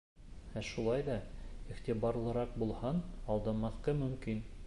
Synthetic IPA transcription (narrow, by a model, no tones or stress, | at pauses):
æʃulˠɑjðɑiχt̪ʲibɑɾlˠɤ̆ɾɑq̚bulˠhɑnɑlˠd̪ɑmɑθqɤmɵ̆mkin